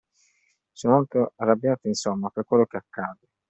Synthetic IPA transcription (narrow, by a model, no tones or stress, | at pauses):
sɔnmolt̪oarːabjaːt̪ainsomːapekwelːok̟eakːaːd̪e